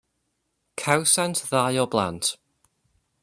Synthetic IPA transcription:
kʰawsantʰðajɔblˠa̰ntʰ

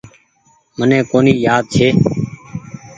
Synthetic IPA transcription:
mənẽːkoːniːjaːd̪̚t͡ʃʰeː

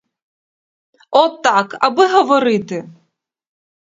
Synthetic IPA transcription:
ɔt̪ːaka̰bɨɦɐvɔɾɨt̪ɨ

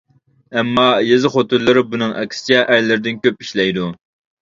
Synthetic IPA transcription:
ɛmːɑjezɨχot̪ɨɾlˠɨɾɪbunɨŋʔɛ̰kʲʰsɪ̥t͡ʃʰɛʔæɾlɪɾɪd̪ɪnkʲøp̚iʃlɛjd̪u

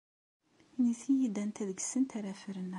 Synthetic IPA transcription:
iniθijid̪ænt̪æðəɡsənt̪æɾæfəɾən

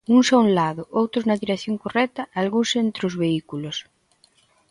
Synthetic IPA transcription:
uŋsaunlaðoʔowt̪ɾoznɐðiɾekθjoŋkorɛt̪aalɣunsent̪ɾeozβeikulos

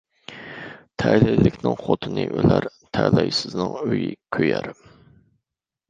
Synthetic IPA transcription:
t̪ʰælɛjlɪkʲnɪŋχot̪ʰɨnɨʔølæɾt̪ʰælɑjsɨznɨŋøjikʲʰøjæɾ

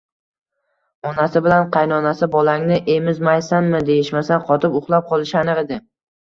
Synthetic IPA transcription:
ɒnasɪbɪlanqʰɑjnɒnasɪbɒlaŋnɪʔe̞mɪzmajsanmɪd̪e̞jɪʃmasanqʰɒt̪ʰɪpʊχlˠap̚qʰɒlˠɪʃanɪʁed̪ɪ

